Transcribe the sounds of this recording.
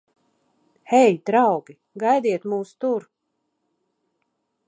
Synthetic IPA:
hɛjd̪ɾawɡi | ɡajd̪iɛt̪muːst̪uɾ

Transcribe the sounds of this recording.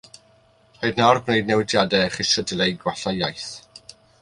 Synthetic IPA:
hojdnarɡnejdnɛwɪdjadɛχɪsədlejɡwaɬajajθ

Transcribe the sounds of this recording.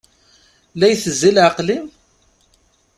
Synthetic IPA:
læjθəzːilʕəqlim

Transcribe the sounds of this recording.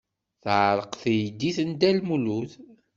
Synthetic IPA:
θʕɾˤəqθjd̪iθənd̪ælmuluθ

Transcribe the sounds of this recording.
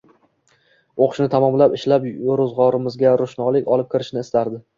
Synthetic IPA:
oqʰʊ̥ʃnɪt̪ʰamɒmlapɪʃlapɾʊzʁɒɾɪmɪzɡʲaɾʊʃnɒlˠɪkʲɒlˠɪp̚kʲʰɪɾɪʃnɪst̪aɾd̪ɪ

